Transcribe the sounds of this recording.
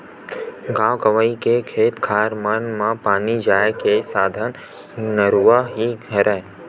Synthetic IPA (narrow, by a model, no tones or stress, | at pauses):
ɡãːʋɡəʋaikekʰeːt̪kʰaːɾmənmãpaːnid͡ʒaːekesaːd̪ʱən | nəɾuaɦiɡəɾeː